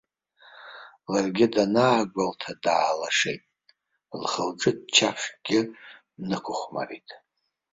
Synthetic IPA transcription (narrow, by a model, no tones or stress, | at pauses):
larɡʲɪdanaːɡʷaltʰadaːlaʂejtʼ | lχəlʈ͡ʂʼɨdt͡ʃʰaχʷɡ̥ʲɪ | nɨkʷʰʊχʷma̰ritʼ